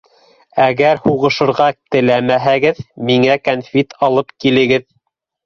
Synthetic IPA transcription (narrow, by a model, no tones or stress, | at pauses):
æɡæɾhuʁɤ̆ʃɤ̆ɾʁɑt̪ɘ̆læmæɦæɡɘðmiŋækonfʲit̪ʰɑlˠɤpkilɘ̆ɡɘð